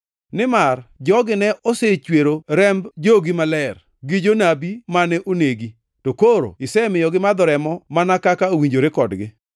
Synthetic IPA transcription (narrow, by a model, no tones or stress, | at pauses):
nɪmard͡ʒɔɡɪnɛʔoset͡ʃweɾoɾɛmbd͡ʒoɡimalɛr | ɡid͡ʒonabimanɛʔoneɡi | tokoɾo̰ɪsɛmɪjɔɡɪmad̪ɔɾɛmɔmanakakaowiɲd͡ʒoɾekɔdɡɪ